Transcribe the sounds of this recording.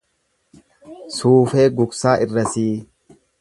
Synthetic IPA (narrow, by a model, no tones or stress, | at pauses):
suːfeːɡʊksaːʔɪrːɐsiː